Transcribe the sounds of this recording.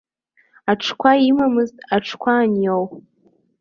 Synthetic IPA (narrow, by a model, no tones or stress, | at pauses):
aʈ͡ʂʰkʷʰaimamɨztʼaʈ͡ʂʰkʷʰaːnjow